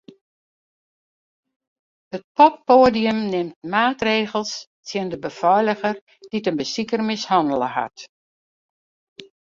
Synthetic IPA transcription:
hət̚pʰɔp̚poːdiəmnɪmt̚maːtreːɣəl̩ˠs | tʰjəndəbəfɔjləɣər | d̥itənbəsikərmɪshɑndəlˠəha̰t

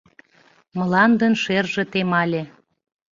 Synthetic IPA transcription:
məlɑnd̪ənʃerʒĕt̪emɑlʲe

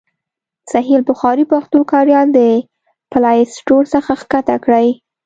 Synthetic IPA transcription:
saɦilbʊxɑɾipaxt̪okɑɾjɑnd̪ə | palɑjsʈoɽsəxaxkat̪akɽəj

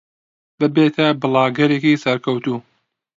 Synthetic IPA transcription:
bɨbeːt̪ʰɐbɨlˠɑːɡɐɾekisɐɾkʰɐwt̪uː

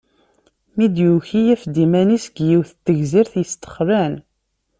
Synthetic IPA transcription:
mid̪juçijæfd̪imænisɡjiwθət̪ːəʝziɾθjəst̪ə̥χɾæn

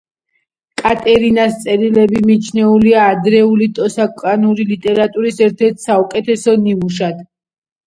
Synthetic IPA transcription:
kʼat̪ʼɛɾinast̪sʼɛɾilɛbimit͡ʃʰnɛuliaːd̪ɾɛulit̪ʼɔsakʼanuɾilit̪ʼɛɾat̪ʼuɾisɛɾt̪ʰɛɾt̪ʰsaukʼɛt̪ʰɛsɔniuʃad̪̥

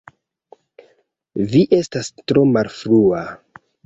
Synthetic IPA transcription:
viʔe̞stastɾo̞malfɾua

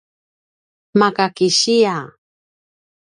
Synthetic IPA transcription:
makakɪʃija

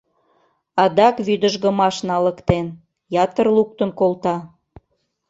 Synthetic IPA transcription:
ɑd̪ɑkβyd̪ə̆ʒɣə̆mɑʃnɑləkt̪en | jɑt̪ərluk̚t̪ə̆nkolt̪ɑ

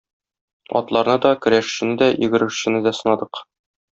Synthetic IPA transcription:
ɒ̰t̪lˠɑɾnɤd̪ɒkɵ̆ɾæʃɕɘ̆nɘd̪æjɘ̆ɡɘ̆ɾɘ̆ʃɕɘ̆nɘd̪æsɤ̆nɑd̪ɤq

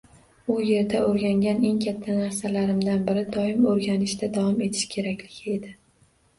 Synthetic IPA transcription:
ʊje̞ɾd̪aoɾɡʲaŋɡʲane̞ŋkʲʰat̪ʰːanaɾsalaɾɪmd̪anbɪɾɪd̪ɒɪmoɾɡʲanɪʃd̪ad̪avɒme̞t̪ʰɪ̥ʃkʲʰe̞ɾakʲlɪɡʲɪe̞d̪ɪ

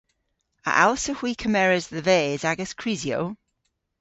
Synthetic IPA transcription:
ə̰ʔalˠsəhw̥iːkʰəmɛɹəzðəvɛːzaɡəskʰɹ̥ɪzjo̰w

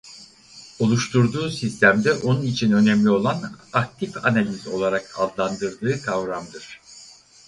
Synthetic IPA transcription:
o̞lˠuʃt̪ʰuɾd̪uːsist̪ʰæmd̪ɛʔo̞nunit͡ʃʰinø̞nɛmlʲio̞lˠanak̚t̪ʰifanalʲizo̞lˠaɾakʰa̰d̪lˠand̪ɯɾd̪ɯːkʰavɾamd̪ɯɾ̥

